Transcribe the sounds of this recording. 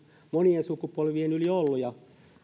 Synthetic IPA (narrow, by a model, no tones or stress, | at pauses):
moniensukupolʋienyliolːujɑ